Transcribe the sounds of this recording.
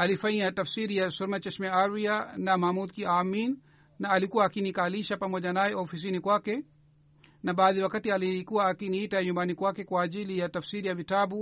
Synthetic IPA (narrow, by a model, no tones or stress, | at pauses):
alifaɲiatafsiɾijasuɾmat͡ʃɛsmɛaɾianamahmud̪kiaminː | aːlikuwaːkinikaliʃapamɔʄanajɛɔfis̬inikwakɛ | naɓaːðiwakatialikuwaːkiniitaɛɲumbanikwakɛkwaːʄilijatafsiɾijavitaɓu